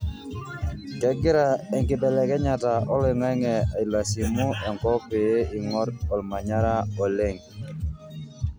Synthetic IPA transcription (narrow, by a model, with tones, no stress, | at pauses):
kɛ˦ɡɪ˦ɾa˨ɛ˨ŋkɪ˨bɛ˨lɛ˨kɛ˦ɲa˨ta˨ɔ˦lɪ˨ŋɛ˦ŋɛ˨a˨i˨la˨si˨mu˦ɛ˨ŋkɔ˦pe˨e˦i˨ŋɔ˦ɾɔ˨lma˨ɲa˦ɾa˦ɔ˨le˦˨ŋ